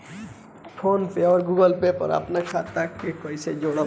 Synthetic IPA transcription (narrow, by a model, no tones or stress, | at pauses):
pʰonpeɔɾɡuɡɔlpepɔ̰ɾa̰pnakʰat̪akekɔjsed͡ʒoɽ̃ɔ